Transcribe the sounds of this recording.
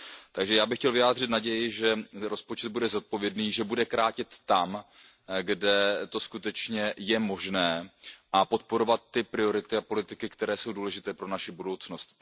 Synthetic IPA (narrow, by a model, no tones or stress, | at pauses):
t̪aɡʒɛjaːbɪxcɛlvɪjaːd̪r̝ɪt̪naɟɛjɪʒɛɾo̞spo̞t͡ʃɛd̪̚budɛzot̪̚po̞vjɛdniːʒɛbudɛkɾaːcɪt̪ːam | ɡdɛt̪o̞skut̪ɛt͡ʃɲɛjɛmo̞ʒnɛːʔapo̞t̪po̞ɾo̞vat̪ːɪpɾɪo̞ɾɪt̪ɪapo̞lɪt̪ɪkɪkt̪ɛɾɛːso̞wduːlɛʒɪt̪ɛːpɾo̞naʃɪbudo̞wt͡sno̞st̪